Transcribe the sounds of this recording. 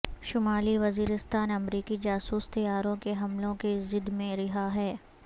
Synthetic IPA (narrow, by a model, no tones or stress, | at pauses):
ʃʊmaːliʋɐziːɾɪst̪aːnɐmɾiːkid͡ʒaːsuːst̪ɐjaːɾõkeɦɐmlõkezɪd̪mẽɾɪɦaɦɛː